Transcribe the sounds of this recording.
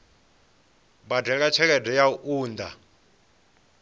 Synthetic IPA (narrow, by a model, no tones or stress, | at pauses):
badɛk̬at͡ʃʰɛk̬ɛdɛjauʔuːnd̪a̰